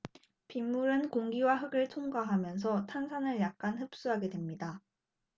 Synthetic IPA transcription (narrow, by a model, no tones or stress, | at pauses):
pimːuɾɯnkoŋɡiwaɦɯɡɯɭtʰoŋɡaɦamjʌns̬ʰʌtʰansʰanɯɭjak̚k͈anhɯp̚s͈uɦaɡe̞dwe̞mɲida